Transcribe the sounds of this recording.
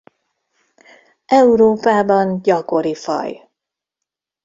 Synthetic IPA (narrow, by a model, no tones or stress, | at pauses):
ʔɛuɾoːpaːbɒnɟɒko̞ɾifɒ̰j